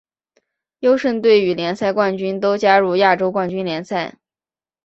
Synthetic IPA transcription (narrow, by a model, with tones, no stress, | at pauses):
jo˥ʊʂə˥˧ŋt̪we˥˩ɪy˨˧˩ljɛ˧˥nsa˥˧ɪkwa˥˩nt͡ɕy˥nt̪o˥ʊt͡ɕja˥ɻu˥˧ja˥˩ʈ͡ʂo˥ʊkwa˥˩nt͡ɕy˥nljɛ˧˥nsa˥˩ɪ